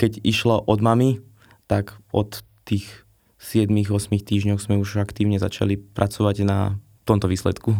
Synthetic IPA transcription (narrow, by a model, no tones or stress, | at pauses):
kɛɟiʃlaʔɔd̪mami | t̪aɡɔt̪ː | iːx | sɪɛd̪miɣɔsmixt̪iːʒɲɔʊz̥mɛuʒakt̪iːʊɲɛza̰t͡ʃa̰lipɾʔat͡sɔʋaɟna̰ | t̪ɔmt̪ɔʋiːslɛt̪ku